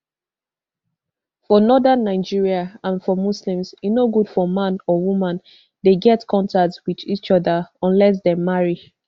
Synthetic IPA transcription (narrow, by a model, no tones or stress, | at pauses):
fɔnɔdãnːaɪd͡ʒiɹiaãnfɔmuslĩmsjunoɡudfɔmãnɔwumãn | deɡɛtkʰɔ̃ntak̚twiðit͡ʃɔðəɔ̃nlɛs̬demːaɹi